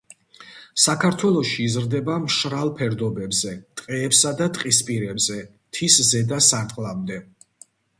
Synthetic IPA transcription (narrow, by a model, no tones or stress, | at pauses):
sakʰaɾt̪ʰwɛlˠɔʃiːzɾd̪ɛbamʃɾalˠpʰɛɾd̪ɔbɛbzɛt̪ʼqʼɛːpsad̪at̪ʼqʼispʼiɾɛbzɛ | t̪ʰiszɛd̪asaɾt̪ʼqʼlˠamd̪ɛ